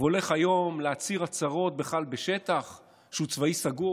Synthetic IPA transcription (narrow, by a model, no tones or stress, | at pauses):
o̞le̞χajo̞mleat͡siʁat͡saʁo̞t̪̚beχalbeʃe̞t̪aχ | ʃeut͡svaisaɡu